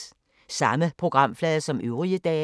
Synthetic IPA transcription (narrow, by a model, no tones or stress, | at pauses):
sɑ̈məpʰʁo̝ɡ̥ʁɑ̈m̰flɛːðˠɐsɒ̽mʔøʊʁiəd̥ɛː